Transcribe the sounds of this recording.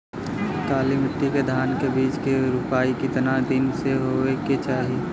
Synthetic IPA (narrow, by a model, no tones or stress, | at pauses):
k̪aːlimɪʈːiked̪ʱaːnkebiːt͡ʃkeɾʊpaːikit̪ɐnad̪ɪnseɦoeket͡ʃaːɦi